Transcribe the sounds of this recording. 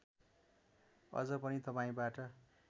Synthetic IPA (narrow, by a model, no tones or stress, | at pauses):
ʌ̰d͡zʌpʌnit̪ʌpaĩbaʈʌ